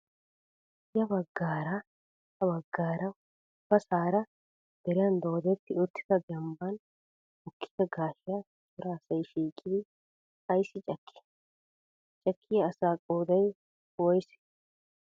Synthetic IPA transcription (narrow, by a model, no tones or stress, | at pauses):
jɐbɐɡːaːɾa | hɐβɐɡːaːɾɐ | bɐsaːɾɐ | d̪̥ɛɾɪjɐnd̪oːd̪ɛt̪ːɪʊt̪ːɪ̥d̪ɐɡɛmbɐn | ʊkʰːɪ̥ɐɡaːʃɪjɐ | t̪ɔɾaːsɐjʃiːkʼːɪd̪ɪ | ɐjsːɪt͡ʃʼɐkʰːɛ̥ | t͡ʃʼɐkʰːɪjɐːsaːkʼoːd̪ɐj | wɔjsɛ̥